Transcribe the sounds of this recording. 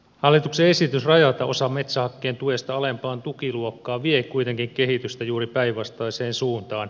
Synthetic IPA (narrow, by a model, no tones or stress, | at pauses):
hɑlːit̪uksee̞sit̪ysrɑjɑt̪ɑʔo̞sɑmet̪sæhɑkːeːnt̪uest̪ɑɑlempɑːnt̪ukiluokːɑːʋiekujt̪eŋkiŋke̞hit̪yst̪æjuːɾipæiʋʋɑst̪ɑiseːnsuːnt̪ɑːn